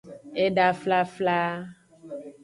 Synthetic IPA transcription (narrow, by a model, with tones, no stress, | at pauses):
e˦ɖa˦fla˦fla˦